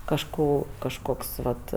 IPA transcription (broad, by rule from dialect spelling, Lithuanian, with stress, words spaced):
kɐʃˈkoː kɐʃˈkoːks ˈʋɐt